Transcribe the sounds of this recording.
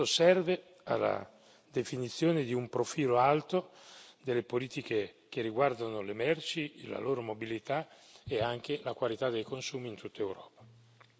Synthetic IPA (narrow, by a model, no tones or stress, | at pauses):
osɛrve | a̰lːa̰ | d̪efinit̪sːjoːned̪iumpɾofiːloalt̪od̪elːepoliːt̪ik̟ek̟erːiɡward̪anolemɛrt͡ʃila̰loːɾomobilit̪aeaŋk̟elakwalit̪ad̪ːejkonsuːmint̪ut̪ːaewɾɔːpḁ